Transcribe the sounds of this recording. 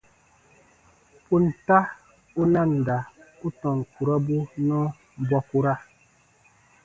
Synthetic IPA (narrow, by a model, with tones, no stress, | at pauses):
pu˦n̩˨ta˦ | u˦na˦˨n̩˨da˨u˦tɔ˨ŋ˨ku˨ɾa˦bu˦nɔ˦ | bwa˦ku˦ɾa˦